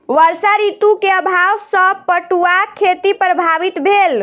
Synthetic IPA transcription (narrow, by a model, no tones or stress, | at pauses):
ʋəɾsaɾit̪ukeəbʱawsə̃pəʈuakʰet̪ipɾəbʱaʋit̪bʱel